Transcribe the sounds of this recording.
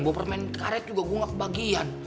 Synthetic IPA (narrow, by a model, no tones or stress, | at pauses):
ŋbɔpərmɛnkaɾɛt̪̚d͡ʒuɡaɡuŋakəbaɡian